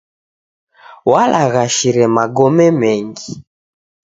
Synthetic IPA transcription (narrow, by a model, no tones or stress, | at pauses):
walʔaɣaʃiɾɛmaɡɔmɛmɛŋɡi